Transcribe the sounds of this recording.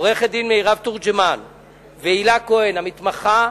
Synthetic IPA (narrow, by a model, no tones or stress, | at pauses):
ʁeχed̪inmeiʁavt̪uʁd͡ʒeman | veilakoenhamit̪maχa